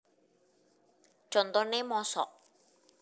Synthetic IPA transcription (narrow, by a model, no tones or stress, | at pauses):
t͡ʃɔnt̪onemɔːsɔ̰